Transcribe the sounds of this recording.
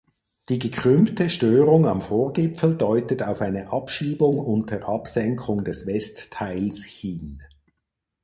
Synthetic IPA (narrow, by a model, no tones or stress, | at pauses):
d̥iːɡəkʁ̥ʏmtəʃtøːʁʊŋɑmfoːɐɡɪpfl̩dɔʏtətaʊfaɪnəʔɑpʃiːbʊŋʊntəʔɑpsɛŋkʰʊŋdɛsvɛstʰːaɪlshɪn